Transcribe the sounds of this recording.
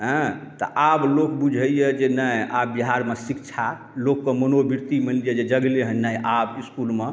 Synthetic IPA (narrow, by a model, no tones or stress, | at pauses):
ɦə̃t̪ɔ̰ʔablokbud͡ʒʱəjɛd͡ʒenəja̰bːiɦaɾmesikt͡ʃʰa | lokːəmənobiɾt̪imillijɛd͡ʒed͡ʒəɡleɦənnːɛjʔabiskulme